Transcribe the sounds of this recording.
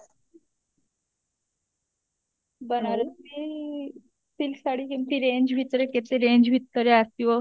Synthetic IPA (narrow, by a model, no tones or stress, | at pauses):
bənaɾət̪i | tilsaɽ̤iːkimt̪iːɾeɲd͡ʑʋit̪əɾeket̪eɾeɲd͡ʑʋit̪ːəɾeast̪iʋə